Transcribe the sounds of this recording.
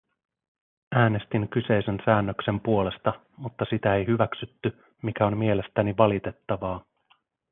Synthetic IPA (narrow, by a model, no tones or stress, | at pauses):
æːne̞st̪iŋkyse̞jse̞nsæːnːø̞kse̞mpuo̞le̞st̪ɑ | mut̪ːɑsit̪æe̞jɦyʋæksyt̪ːy | mikæo̞mmie̞le̞st̪æniʋɑlit̪e̞t̪ːɑʋɑː